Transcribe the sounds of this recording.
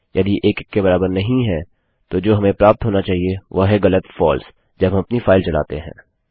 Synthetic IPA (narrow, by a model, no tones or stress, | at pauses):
jɐd̪iʔeːkkːebɐɾaːbəɾnɐɦĩɦɛ̃ː | t̪od͡ʒoːɦɐmẽpɾaːp̚t̪ɦoːnat͡ʃaːɦieʋoɦɛɣɐlət̪fɔːls | d͡ʒɐbɦɐmɐpnifaːɪlt͡ʃɐla̰ːt̪eɦɛ̰̃ː